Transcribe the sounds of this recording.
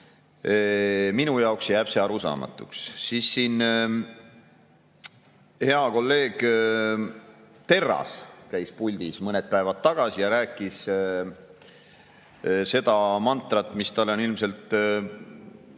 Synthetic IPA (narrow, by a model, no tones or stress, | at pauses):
minujɑoksjæːb̥seɑɾusɑ̰mʔɑ̰t̪ːˑuksːiːsːiːn | he̞ɑko̞lːe̞ːɡ̥ | t̪e̞rːɑ̰skæjspulʲd̪̥ismɤne̞t̪̚pæevɑt̪̚t̪ːɑɡ̥ɑsijɑɾæːkˑːis | se̞d̪̥ɑmɑnt̪ˑrɑt̪ːˑmist̪ɑlːo̞nilmse̞lt̪ˑ